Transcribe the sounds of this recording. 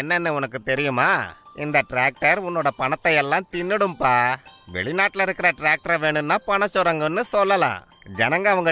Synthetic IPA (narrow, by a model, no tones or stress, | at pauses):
ɛnːɛnːɯʊnɐkːɯt̪ɛɾɪjɯmaːɪnd̪ɐʈɾaːk̚ʈɐɾʊnːoːɽɐpɐɳɐt̪ːɐjɛlːãːt̪ɪnːɯɽɯmpaːʋɛ̰ɭɪnaːʈːlɐɪɾɯkːɪɾɐʈɾaːk̚ʈɐɾɐʋeːɳɖɯnːaːpɐɳɐt͡ʃːɔɾɐŋɡɯnːɯsɔlːɐlã̰ː | d͡ʒɛnɐŋɡɐɐʋɐŋɡɐ